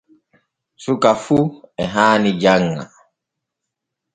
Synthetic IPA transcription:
sukafuɛɦanid͡ʒaŋːa̰

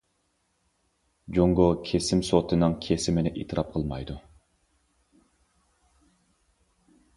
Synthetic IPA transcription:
d͡ʒoŋɡokʲʰesɪmsot̪ʰɨnɨŋkʲʰesɪmɪnɪʔḛt̪ʰɨɾʔɑp̚qʰəlˠmɑjd̪u

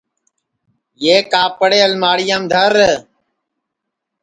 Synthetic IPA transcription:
jeːkaːpəɽeːəlmaːɽɪjãːmd̪ʱəɾ

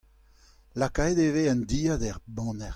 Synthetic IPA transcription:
lakajdeveãnd̪iːadɛʁbɑ̃ːnɛʁ

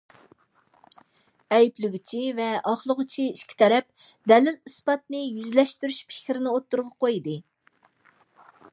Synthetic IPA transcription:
ɛjiplyɡʲit͡ʃʰivɛʔɑχlˠəʁʊt͡ʃʰiiʃkʲʰi̥t̪ʰɛɾɛp̚ | d̪ɛlɪlispɑt̪̚nɨjyzlɛʃt̪yɾyʃpʰɪ̥kʲɾɪnɪot̪ːuɾʁɑqʰojd̪ɨ

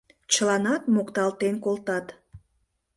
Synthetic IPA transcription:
t͡ɕəlɑnɑt̪mokt̪ɑlt̪enkolˠt̪ɑt̪

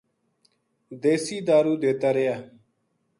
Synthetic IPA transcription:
d̪eːsiːd̪aːɾuːd̪eːt̪aːɾejaː

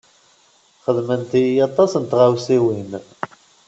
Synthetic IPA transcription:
χəðmənt̪iɑt̪ˤɑsənt̪ʁawsiwin

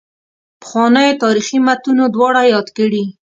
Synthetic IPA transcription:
pə̥xwɑnəjot̪ɑɾiximat̪unod̪wɑɽajɑd̪kəɽi

